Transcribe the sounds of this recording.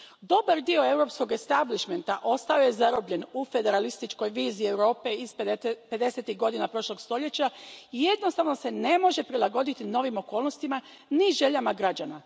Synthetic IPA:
d̪o̞baɾd̪io̞e̞wɾo̞psko̞ɡe̞st̪abliʃme̞nt̪aʔo̞st̪ao̞je̞zaɾobʎe̞nufe̞d̪e̞ɾalist̪it͡ʃko̞jʋiːziiewɾo̞ːpe̞izpe̞d̪e̞set̪iɣɡo̞d̪inapɾo̞ʃlˠo̞ɡst̪o̞ʎe̞t͡ɕaije̞d̪nost̪aʋno̞se̞ne̞mo̞ʒe̞pɾilaɡo̞d̪it̪ino̞ʋimo̞ko̞ːlˠno̞st̪ima | niʒe̞ʎamaɡɾad͡ʑana

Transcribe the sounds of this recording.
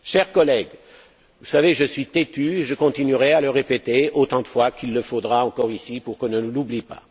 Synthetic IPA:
ʃɛʁkɔlɛɡ | vusaveʒəsɥit̪et̪yeʒəkɔ̃t̪inyʁɛaləʁepet̪eot̪ɑ̃d̪əfwakilːəfod̪ʁaɑ̃kɔʁisipuʁkɔ̃nənulublipa̰

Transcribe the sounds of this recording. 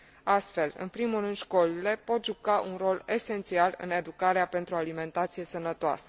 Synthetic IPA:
ast̪fe̞lɨ̰npɾimurɨnd̪ʃko̞lile̞po̞t̪ʒukaʔunro̞le̞se̞nt̪sialɨ̰ne̞d̪ukaɾeape̞nt̪ɾualimẽ̞nt̪at̪sije̞sənət̪oa̰sə̥

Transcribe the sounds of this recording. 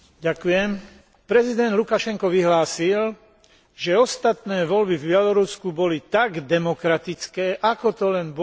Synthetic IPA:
ɟakujɛm | pɾɛzid̪ɛnd̪lukaʃɛŋkɔʋiɦlaːsil | ʒɛɔst̪at̪nɛːʋɔlbivbɪɛlɔɾuskubɔlit̪aɡd̪ɛmɔkɾat̪it͡skɛːʔakɔt̪ɔlɛnb

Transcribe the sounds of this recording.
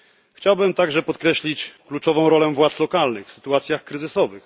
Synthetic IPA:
xt͡ɕawbɘmt̪aɡʐɛpɔt̪kɾɛɕlʲit͡ɕklut͡ʂɔvɔ̃w̃ɾɔlɛvwat̪slɔkalnɘxfsɘ̥t̪uat̪sʲjaxkɾɘzɘsɔvɘx

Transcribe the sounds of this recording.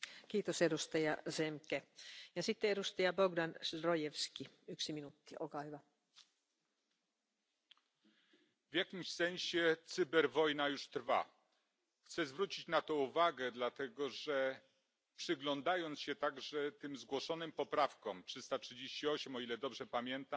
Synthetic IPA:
kiːt̪osedust̪ɑjɑsemkejɑsit̪ːeeɾust̪ɑjɑboɡdɑnsrojefski | yksiminut̪ːiolkɑːhyʋæ | vʲjakʲimɕsɛɲ̃ɕɛt̪sɘbɛɾvɔjnajuʂt̪ɾva̰ | xt̪sɛzvɾut͡ɕit͡ɕnat̪ɔuvaɡɛd̪lat̪ɛɡɔʐɛ | pʂɘɡlɔnd̪ajɔnt̪sɕɛt̪aɡʐɛt̪ɘmzɡwɔʂɔnɘmpɔpɾafkɔmtʂɘst̪atʂɘd͡ʑeɕt͡ɕiɔɕɛmɔilɛd̪ɔbʐɛpamʲjɛnt̪am

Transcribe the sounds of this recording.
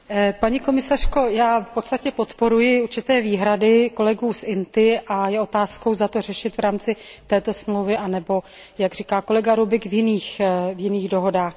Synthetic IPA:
paɲiko̞mɪsar̝̥ko̞jaːfpo̞t̪st̪acɛpo̞t̪po̞ɾujɪuɾt͡ʃɪt̪ɛːviːɦɾadɪko̞lɛɡuːsʔɪnt̪ɪʔajɛo̞t̪aːsko̞wzat̪o̞rɛʃɪt̪vɾaːmt͡sɪt̪ɛːt̪o̞smlowvɪʔanɛbo̞ | jaɡr̝iːkaːko̞lɛɡaɾubɪkvjɪniːxvjɪniːɣdo̞ɦo̞daːx

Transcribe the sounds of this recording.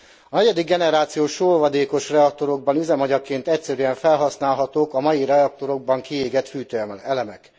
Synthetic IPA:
ɒnɛɟɛd̪iɡːɛnɛɾaːt̪sijoːʃoːlvɒd̪eːko̞ʃrɛɒk̚t̪o̞ɾo̞ɡ̚bɒnyzɛmɒɟɒkeːnt̪ɛcsɛɾyɛɱfɛlɦɒsn̪aːlɦɒt̪oːkɒmɒjiɾɛɒk̚t̪o̞ɾo̞ɡ̚bɒŋkieːɡɛt̪fyːt̪øɛlɛmɛk

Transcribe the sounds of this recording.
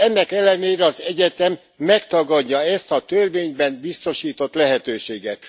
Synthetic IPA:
ɛnːɛkɛlːɛneːɾɛɒzɛɟɛt̪ɛmː | ɛkt̪ɒɡɒɟːɒɛst̪ɒt̪ørveːɲbɛnbist̪o̞ʃiːt̪o̞t̪lɛɦɛt̪øːʃeːɡɛt̪

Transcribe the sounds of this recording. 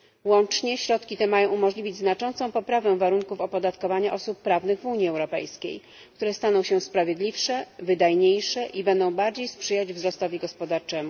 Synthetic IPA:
wɔnt͡ʂɲɛɕɾɔt̪kʲit̪ɛmajɔ̃w̃umɔʐlʲivʲid͡ʑznat͡ʂɔnt̪sɔ̃w̃pɔpɾavɛ̃vaɾuŋkufɔpɔd̪at̪kɔvaɲaʔɔsupːɾavnɘɣvuɲiɛwɾɔpɛ̰jskʲḛj | kt̪uɾɛst̪an̪ɔ̃w̃ɕɛspɾavʲjed̪lʲifʂɛvɘd̪ajɲejʂɛʔibɛnd̪ɔ̃w̃baɾd͡ʑejspʂɘjad͡ʑvzɾɔst̪ɔvʲiɡɔspɔd̪aɾt͡ʂɛmu

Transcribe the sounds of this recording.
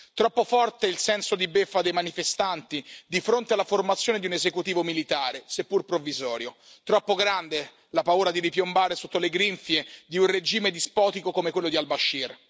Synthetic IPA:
t̪ɾɔpːofɔrt̪eilsɛnsod̪ibefːad̪ejmanifest̪ant̪id̪ifɾont̪ealːaformat̪sːjoːned̪iunezekut̪iːvomilit̪aːɾesepːurpɾovːizɔːɾjot̪ɾɔpːoɡɾand̪e | lapauːɾad̪iɾipjombaːɾesot̪ːoleɡɾiɱfjed̪iunred͡ʒiːmed̪ispɔːt̪ikokomekwelːod̪ialbaʃːir

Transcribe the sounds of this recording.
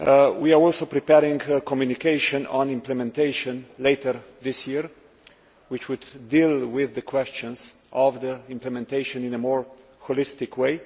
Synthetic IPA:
wiaɹɔlsopɾipɛɾɪ̃ŋɡəkʰɔmjunikeɪʃɔ̃nɔ̰̃nɪ̃mplɛmɛ̃nt̪eɪʃə̃nleɪtəɹðɪsjiɹ | wɪt͡ʃwʊd̪ːilwɪðːəkʰwɛst͡ʃə̃nz | ʔɔvðəɪ̃mplɛmɛ̃nt̪eɪʃɔ̃nɪ̃nəmɔɹ | hɔlɪst̪ɪkʰweɪ

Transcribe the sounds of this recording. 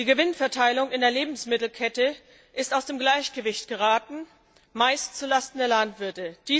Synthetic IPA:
d̥iːɡəvɪnfɛɐtʰaɪlʊŋɪndeːɐleːbm̩smɪtl̩kʰɛtə | ʔɪstaʊsd̥eːmɡlaɪçɡ̥əvɪçtɡ̥əʁaːtn̩ | maɪstt͡sulastn̩deːɐlantv̥ɪɐtəd̥iː

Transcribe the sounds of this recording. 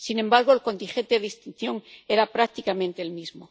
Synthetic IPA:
sinẽmbaɾɣ̞oelko̞nt̪ĩŋxe̞nt̪eðist̪in̟θjõ̞ŋeɾapɾak̚t̪ikamẽnt̪eːlmizmo

